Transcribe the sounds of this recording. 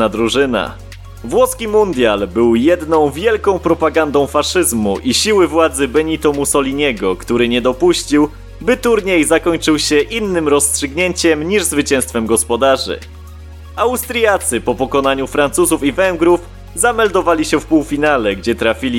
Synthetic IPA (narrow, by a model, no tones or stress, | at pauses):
ad̪ɾuʐɘna̰ | vwɔskʲimund̪ʲjalbɘwjɛd̪nɔ̃w̃vʲjɛlkɔ̃w̃pɾɔpaɡand̪ɔ̃w̃faʂɘzmuʔiɕiwɘvwad̪zɘbɛɲit̪ɔmusɔlʲiɲɛɡɔkt̪uɾɘɲɛd̪ɔpuɕt͡ɕiw | bɘt̪uɾɲejzakɔɲt͡ʂɘwɕɛʔinːɘmɾɔstʂɘɡɲeɲt͡ɕɛmɲiʐzvɘt͡ɕɛ̃w̃st̪fɛmɡɔspɔd̪aʐɘ̰ | awst̪ɾjat̪sɘpɔpɔkɔn̪aɲufɾant̪suzufivɛŋɡɾuf | zamɛld̪ɔvalʲiɕɛfpuwfʲinalɛɡd͡ʑɛt̪ɾafʲilʲi